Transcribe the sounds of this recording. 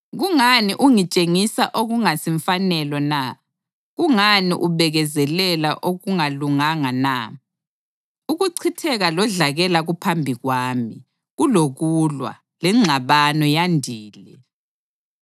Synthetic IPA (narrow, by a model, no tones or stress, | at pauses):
ɣuŋaniʔuŋit͡ʃʼeŋisaʔoɣuŋasiɱfanɛlɔna | ɣuŋanḭʔuβɛɣɛzɛlɛlaʔoɣuŋaluŋaŋana̰ | uɣuǀʰitʰɛɣalɔɮaɣɛlaɣupʰambʱiɣwaːmi | ɣuloɣulwa̰ | lɛŋ͡ǁʱaβanɔjandʱiːlɛ